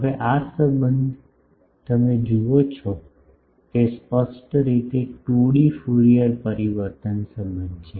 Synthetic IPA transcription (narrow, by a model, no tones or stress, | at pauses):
ɦəʋeʔasəbənd̪ʱ | t̪əmed͡ʒuot͡ʃʰɔ | kespəsʈɾit̪eʈuɽifuɭiəlpəɾiʋəɾt̪ənsəbənd̪t͡ʃʰe